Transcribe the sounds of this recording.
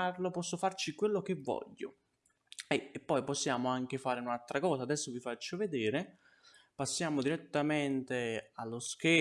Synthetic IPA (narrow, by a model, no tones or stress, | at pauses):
arlopɔsːofart͡ʃikwelːok̟evːɔ̰ʎːo̰ | ɛepːɔjposːjaːmoaŋk̟efaːɾeunalt̪ɾakɔːsaːd̪ɛsːovifat͡ʃːoved̪ɛːɾe | pasːjaːmod̪iɾet̪ːamɛnt̪ealːoskɛ